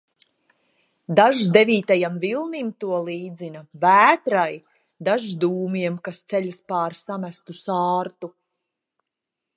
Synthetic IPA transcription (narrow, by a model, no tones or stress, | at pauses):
d̪aʒd̪eviːt̪ajamvilˠnimt̪uɔlˠiːd̪zinavæːt̪ɾaj | d̪aʒd̪uːmiɛmkast̪sɛʎʲspaːɾsamæst̪usaːɾt̪u